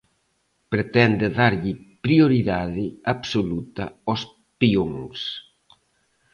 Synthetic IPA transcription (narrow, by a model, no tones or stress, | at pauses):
pɾet̪ɛnd̪ɪðaɾʎɪpɾioɾiðaðɪaβsolut̪ɐ̰ɔs | pioŋs